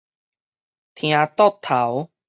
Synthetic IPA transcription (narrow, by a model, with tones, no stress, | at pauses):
t̪ʰj̃ã˧t̪ɔ˥˦˨t̪ʰːa˨˦w